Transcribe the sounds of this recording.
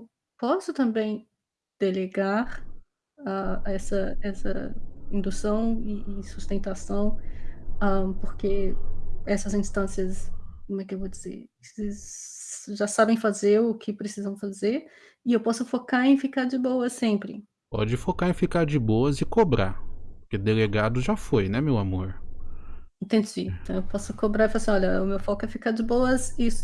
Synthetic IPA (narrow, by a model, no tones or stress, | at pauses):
ew | pɔsʊt̪ɐ̃mbẽj̃ | d̪̥eleɡaɾ | aɛsɐɛsɐ̰ĩnd̪usɐ̃w̃ɪːsust̪ẽnt̪asɐ̃w̃ | ɐ̃poɾke | ɛsɐzĩst̪ɐ̃siɐskõmɛkɪewvod͡ʒizḛɾ | sɪ | ʒasabẽj̃fazeɾʊkʰɪpɾesizɐ̃w̃fazeɾ | ɪewpɔsʊfokaɾẽj̃fikaɾd͡ʒɪbowɐsẽmpɾɪ̰ | pɔ̰d͡ʒɪfokaɾẽfikaɾd͡ʒɪbowɐzɪkobɾa̰ɾppʊʊɾked̪eleɡad̪ʊʒafojnɛmewamoɾ | ĩt̪ẽnd͡ʒĩt̪ɐ̃w̃ewpɔsʊkobɾaɾifalasĩɔʎɐʊmewfɔkʊɛfikaɾd͡ʒɪbowɐzis